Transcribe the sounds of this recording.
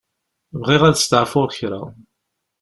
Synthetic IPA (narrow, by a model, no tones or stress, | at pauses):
vʁiʁæðst̪əʕfʊʁçɾa̰w